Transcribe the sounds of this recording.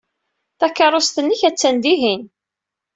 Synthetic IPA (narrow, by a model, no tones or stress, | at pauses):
θækːɑɾˤost̪ənːiçæt͡sːænd̪iɦin